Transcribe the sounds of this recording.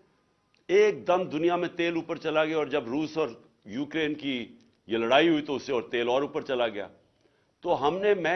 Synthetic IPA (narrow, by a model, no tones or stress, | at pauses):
eːk̚d̪ɐmd̪ʊnijamẽt̪eːluːpəɾt͡ʃɐlaɡɐjaɔːɾd͡ʒɐbɾuːsɔːɾ | juːkɾeːnki | jeləɽaːiɦʊit̪oʊseɔːɾt̪eːlɔːɾuːpəɾt͡ʃɐlaɡɪja̰ː | t̪oːɦɐmnemɛ̃